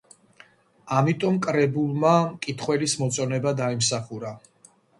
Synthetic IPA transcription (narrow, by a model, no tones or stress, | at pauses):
amit̪ʼɔmkʼɾɛbulˠmakʼit̪ʰχwɛlismɔt̪sʼɔnɛbad̪aimsaχuɾa